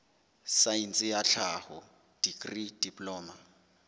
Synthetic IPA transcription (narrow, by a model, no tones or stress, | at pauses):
saint͡sʼɪjaɬʰahʊ | d̥ikʼrid̥ipʼlɔːma